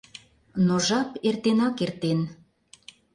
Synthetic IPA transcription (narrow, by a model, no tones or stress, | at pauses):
noʒɑpert̪enɑkert̪en